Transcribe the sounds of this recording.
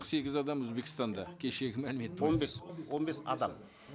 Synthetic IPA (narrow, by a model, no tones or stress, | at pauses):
se̞ɡʲɪzɑd̪ɑmɵzbe̞kʲɪst̪ɑnd̪ɑkʲʰe̞ʃe̞ɡʲɪmælɪme̞t̪onbeswo̞nbe̞sɑ̰d̪ɑm